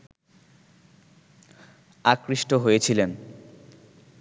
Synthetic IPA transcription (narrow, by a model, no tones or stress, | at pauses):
akɾiʃʈoɦojet͡ɕʰilen